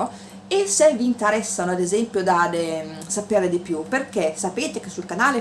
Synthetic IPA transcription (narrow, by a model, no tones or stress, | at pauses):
o | esːeviːnt̪eɾɛsːanoad̪ezɛmpjod̪ad̪e | sapeːɾed̪ipjuperkesapeːt̪ekesːulkanaːle